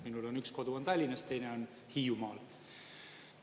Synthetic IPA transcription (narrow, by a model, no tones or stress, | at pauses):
minulo̞nyksko̞d̪uont̪ɑlʲːinɑst̪e̞jneo̞n | hiːjumɑːl